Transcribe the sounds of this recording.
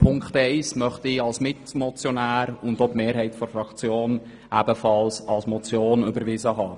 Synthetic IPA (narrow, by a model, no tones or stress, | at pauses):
pʰʊŋkχtɛɪsmœχtɪɑlsmɪtmɔt͡sjɔnæːɾʊnd̪opmeːɾɦɛɪtfɔɾfɾɑkt͡sjoːn | æb̥əfɑlsɑlsmɔt͡sjoːnʏbəɾʋɪzəɦɑː